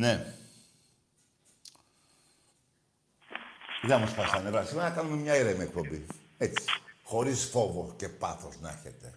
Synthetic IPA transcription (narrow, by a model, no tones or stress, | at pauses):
ne | ðeɐmospɐsɐnevɐsimeɾɐnɐkɐnume̞mɲɐiɾemiekpo̞mbi | et͡si̥xo̞ɾisfo̞voce̞pɐθo̞znɐ̰çet̪e̞